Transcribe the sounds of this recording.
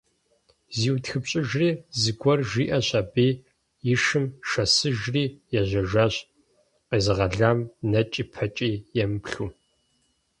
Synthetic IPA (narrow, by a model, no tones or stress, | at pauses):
ziːwtxɨpɕʼɪʒriːzɨɡʷɔrʒiːʔɐɕʼɐbiː | jɪʂɨmʃɐsɨʒriːjɛʑʷɐʒaːɕʼ | qizɨʁɐɮaːmnɐt͡ʃʼiːpʰɐt͡ʃʼiːjɛmpɬuː